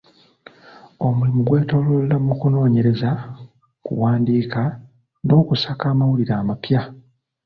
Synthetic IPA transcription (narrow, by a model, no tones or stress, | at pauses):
o̞mulimuɡwe̞ːto̞lollamukuno̞ːɲe̞ɾe̞za | kṵwaːndiːka | no̞ːkusakaːmawuliɾaːmapja